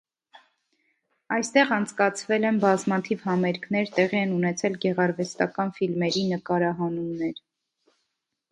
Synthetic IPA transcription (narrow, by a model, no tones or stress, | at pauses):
ɑjst̪ɛʁɑnt͡sʰkɑt͡sʰvɛlɛnbɑzmɑt̪ʰivhɑmɛɾkʰnɛɾt̪ɛʁiɛnunɛt͡sʰɛlɡɛʁɑɾvɛst̪ɑkɑnfilmɛɾinəkɑɾɑɦɑnumnɛɾ